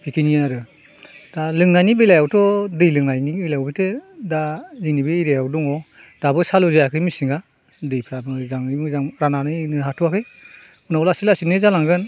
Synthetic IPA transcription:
pʰikinijanaɾɯ | d̥alɯŋnajnibelajawtɔdɯjlɯŋnajnibejlajawbitedazinibiːɾejawdɔŋɔ | d̥abɯsaluzajakʰɯjmisiŋa | dɯjpʰɾabɯzaŋɯjmɯzaŋɾananɯjnɯɦatʰuakʰɯj | unawlasilasinɯzalaŋɡɯn

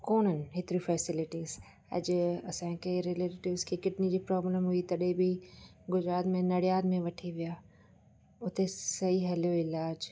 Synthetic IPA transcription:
koːnənɪ̆ɦɪt̪ɪɾifɛːsɪlɪʈiːz | ɐ̰d͡ʑʊɐsãkeɾeleːʈʈɪʋzkʰekɪʈnid͡ʑiːpɾɔːbləmɦʊit̪ɐɗɦẽbiɡʊd͡ʑɾaːt̪mẽnɐɽijaːd̪mẽʋɐʈʰiʋijaː | ʊt̪esɐɦiɦɐljoɪlaːd͡ʑ

